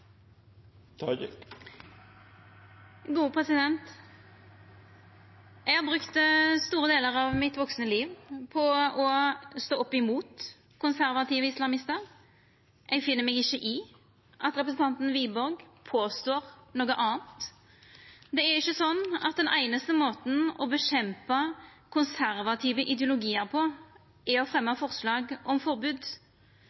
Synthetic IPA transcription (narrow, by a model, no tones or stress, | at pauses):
t̪ʰː | ɡuːpʰʁɛsɪd̪ɛnt̪ | ɛɡhɑʁbʁʉkt̪st̪uːɾəd̪eːləʁɑʋmɪt̪ʋɔksnəliːʋpʰɔɔst̪oːɔpːɪmuːt̪ | kʰʊnsæɾʋɑt̪iːʋəɪslɑmɪst̪əʁ | ʔɛɡfɪnːəmɛːɡɪçːəʔɪ | ʔɑt̪ɾɛpɾəsn̩t̪ʰɑnt̪n̩ʋiːbɔɾɡpʰoːst̪oːɾnoːɡəʔɑːənt̪ | d̪ɛæɾɪçːəsɔnːɑ̰t̪̚d̪ɛnʔæɪnəst̪əmoːt̪n̩ɔbəɕɛmpə | kʰʊnsæɾʋɑt̪ʰiːʋəʔɪd̪jʊlʊɡiːəɾpʰɔ | ɛɔfʁɛmːəfɔɾslɑːɡɔmfɔɾbʉːd̪